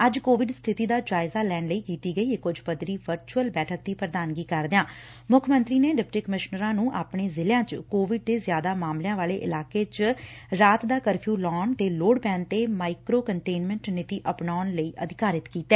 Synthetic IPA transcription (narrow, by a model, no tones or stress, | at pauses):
əd͡ʒkoːʋɪɖst̪ʰɪt̪iːd̪aːd͡ʒaːɪzaːlɛːɳləiːkiːt̪iːɡəiːkʊd͡ʒpəd̪ɾiːʋəɾt͡ʃuəlbɛːʈʰək̚d̪iːpɾəd̪aːnɡiːkəɾd̪eãː | mʊkʰmə̃nt̪ɾiːneːɖɪp̚ʈiːkəmɪʃnəɾãːnũːʔaːpɳeːzɪlejãːt͡ʃkoːʋɪɖ̚d̪eːzjaːd̪aːmaːmljãːʋaːleːʔɪ̰laːkeːt͡ʃɾaːt̪d̪aːkəɾpʰjuːlɔːnt̪eːloːɽpɛ̃ːnt̪eːmaːɪkɾoːkəɳʈeːnmɛ̃ɳʈnɪt̪iːʔəpnaːnləiːʔəd̪ɪkaːɾɪt̪kiːt̪ɛː